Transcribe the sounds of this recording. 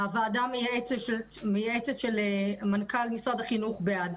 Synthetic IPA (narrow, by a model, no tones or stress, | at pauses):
avaːd̪amejaet͡sʃe | mejaet͡set̪ʃelmankalmisod̪aχinuχbead